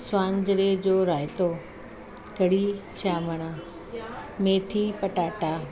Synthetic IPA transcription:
swãːɲd͡ʑɾed͡ʑoːɾaːɪt̪o | kɐɽit͡ɕʰaːməɽ̃a | meːt̪ʰipɐʈaːʈaː

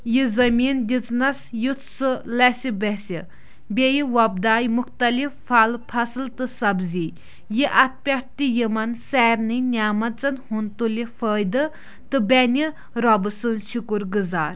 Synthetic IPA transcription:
jizɐmind̪ʲit͡snɐsjut̪sɨlɛsibɛsi | bejiwɐb̚d̪aːjmʊxt̪ɐliffalpʰɐsɨlt̪ɨsɐbzi | jiʔɐt̪̚pʲaɾt̪ijimɐnsɛːɾnɨnʲaːmɐt͡sɐnhunt̪ulifəːjd̪ɨ | t̪ɨbɛnʲi | ɾɑbɨsɨnʃukuɾɡɨzaːɾ

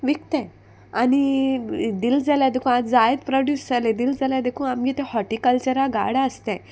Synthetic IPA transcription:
ʋik̚t̪ẽ | ani | d̪ild͡zaljad̪ekʰũat̪d͡zajed̪pɾɔɖjusd͡zaled̪ild͡zalad̪ekʰũamit̪ɛhɔʈikəlt͡ɕəɾaɡa̰ɽaəst̪ɛ̃

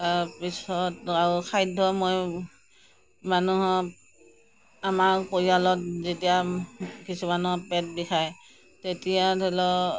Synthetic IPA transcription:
taɹpisɔtaɹukʰajdʱːɔmoj | manuɦɔ | amaɹpoɹialɔt̚zetijakisumanuɦɔpɛt̚bixʰaj | tetijadʰʱilɔ

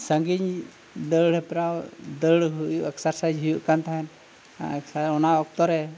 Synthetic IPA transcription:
səŋɡiɲ | d̪əɽɛpɾawd̪əɽɦujuʔɛksəɾsajd͡ʒɦujuʔkant̪aɦɛn | aksaɔnaɔk̚t̪ɔɾɛ

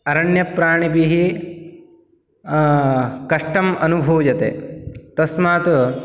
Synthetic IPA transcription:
ɐɾɐɳjɐpɾaːɳibiɦi | kɐʂʈɐmɐnubʱuːd͡ʒɐt̪ḛːt̪ɐsmaːt̪u

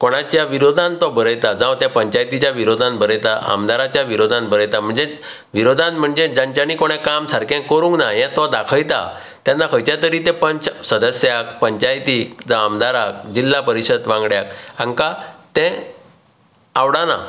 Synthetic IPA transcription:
koɽ̃at͡ɕjaʋiɾod̪ʱãnt̪ɔbəɾəjt̪ad͡zãʋt̪japəɲt͡ɕajt̪it͡ɕjaʋiɾod̪ʱãnbʱəɾəjt̪aʔa̰md̪aɾat͡ɕjaʋiɾod̪ʱãnbʱəɾəjt̪am̤əɳd͡ze | ʋiɾod̪ʱãnm̤əɳd͡zed͡zãɲt͡ɕañikoɽ̃ɛ̃kamsaɾkẽkəɾũŋknajɛ̃t̪ɔd̪akʰəjt̪a̰ | t̪janːakʰəjt͡ɕjat̪əɾiːt̪ɛ̃pət͡ɕsəd̪əsjak̚pəɲt͡ɕajt̪iːd͡zaamd̪aɾak̚d͡ʑilːapəɾiɕət̪ʋãŋɡɽjakaŋkat̪ɛ̃ | awɽana̰

